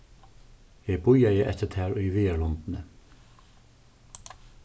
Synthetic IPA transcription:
jɛbʊjajɪʔɛ̰t̪ət̪ʰæːɹʊjvɪːaɹlɔnt̪nə

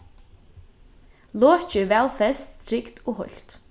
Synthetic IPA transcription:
lɔːt͡ɕɪvɛːlfɛst̪st̪ʰɾɪkt̪ɔɣɦɔ̰l̥t̪

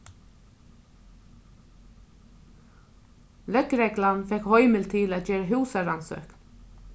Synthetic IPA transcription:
lœkɾeːɡlɑnfɛkhɔʏməlt̪ʰɪːloːt̪ʰjøːɾəhʉːsɑɾɑnsø̰ːk

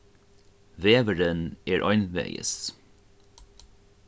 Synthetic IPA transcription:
veːvəɹənɛɹʔɔ̰jnvɛ̰jə̰s

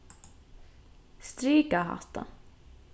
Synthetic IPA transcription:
st̪ɾiːkaɦa̰ht̪a̰

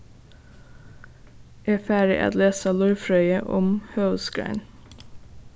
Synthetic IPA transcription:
ʔeːfæːɹə̰ʔɑ̰t̪leːsɑːlʉɹfɹœʏəʔɔ̰mhøːsɡɹæ̰ɪn

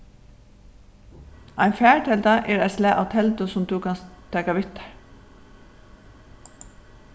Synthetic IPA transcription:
ʔæɪnfæːɹʈ̪ʰɛld̪ɑʔeːɹæɪslæːʔɑ̰ːʋt̪ʰɛld̪ʊsʊmd̪ʉːkʰɑnst̪ʰːɛːkɑʋɪt̪əɹ

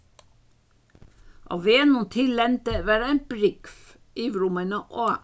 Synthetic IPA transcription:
ʔɑ̰ʋeːnʊnt̪ʰɪlɛnt̪əʋæːɾæɪmb̥ɾɪkf | ʔiːʋɾʊmənəʔoː

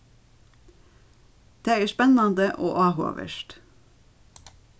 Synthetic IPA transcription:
d̪̥eːææːʃpɛnɑnd̪əʔoːʔɑːho̰ːʋə̰ʃt

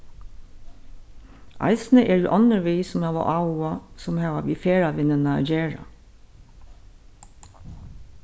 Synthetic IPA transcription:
ʔɑ̰ɪsnəʔɛd̪ɛ̰ːʔɔnəʋiːsɔmhɑːʋa̰ʔɑwasɔmhɑːʋa̰ʋiːfeːɹaʋɪnənə̰d͡ʒeːɹa̰

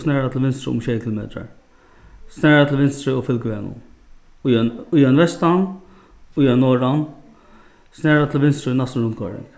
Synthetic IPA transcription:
snɛːɹat̪ʰɪlʋɪnst̪ɾə̰ʊ̰mʃɛjkʰɪlʊmḛːt̪ɾa̰ɹ | snɛːɾat̪ʰɪlʋɪnst̪ɾɪʊfɪlkəʋɛːnʊ̰ | nʊjœnvʋɛst̪an | ʊjœnːɔːɾan | snɛːɾat̪ʰɪlʋɪnst̪ɾɪnast̪nɹʊnt̪kʰɔ̰ɾɪ̰ŋk

